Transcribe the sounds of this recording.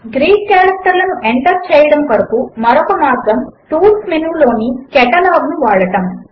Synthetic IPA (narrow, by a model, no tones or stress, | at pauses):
ɡɾiːkːaːɾɐk̚ʈɐɾlɐnuʔeɳʈɐɾt͡ʃɛːjɐɽɐmpɐɾɐkumɐɾɔkɐmaːt̪ɾɐmʈuːlsminuʋlo̞ːnikɛʈɐlaːɡnuʋaːɭɐʈɐm